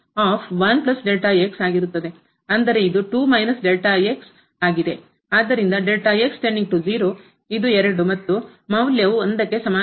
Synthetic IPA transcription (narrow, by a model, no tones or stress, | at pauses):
aːpʰʋɐnplɐsɖelʈaeksaːɡiɾut̪ːɐd̪e̞ | ɐnd̪ɐɾe̞id̪uʈuːmɐjnɐsɖelʈaeks | aːɡid̪e̞ | aːd̪ːɐɾind̪ɐɖelʈɐeksʈeɳɖiŋɡ̚ʈud͡ʒiːɾoː | id̪uɛɾɐɽumɐt̪ːumɐwljɐʋuɐnd̪ɐkːe̞sɐmaː